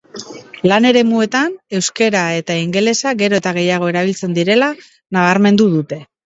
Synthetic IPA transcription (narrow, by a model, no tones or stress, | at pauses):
lane̞ɾe̞mue̞t̪ane̞wske̞ɾae̞t̪aiŋɡe̞le̞saɣe̞ɾo̞et̪aɣ̞e̞jaɣ̞o̞e̞ɾaβ̞ilt͡se̞nd̪iɾe̞la | naβ̞aɾme̞nd̪uðut̪e̞